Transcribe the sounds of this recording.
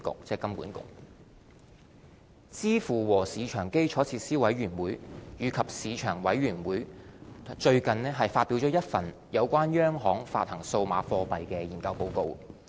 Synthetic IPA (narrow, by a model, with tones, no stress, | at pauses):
kʊ̰˨k̚t͡sɛː˧˩kɐ˥mkṵː˨˥nkʊ̰˨k̚ | t͡siː˥fuː˨˩wɔː˨˩siː˨˧t͡ʃʰœː˨˩ŋke˥jt͡ʃʰɔː˨˥t͡sʰiː˧t̚siː˥wɐ˨˥jɥyː˨˩nwuː˨˥jjyː˨˧˥kʰɐ˨p̚siː˨˧t͡ʃʰœː˨˩ŋwɐ˨˥jɥyː˨˩nwuː˨˥j | t͡ʃɵ˧ɥkɐ˨nlɛː˥ɦɐ˨jfaː˧t̚pːi˨˥wt͡ʃɔː˨˥jɐ˥t̚fɐ˨n | jɐ˨˧wkʷaː˥njœː˥ŋɦɔː˨˥ŋfa̰ː˧t̚hɐ˨˩ŋso˧wma̰ː˨˧˥fɔː˧pɐ˨jkɛː˧jiː˨˩nkɐ˧wpo˧wko˧w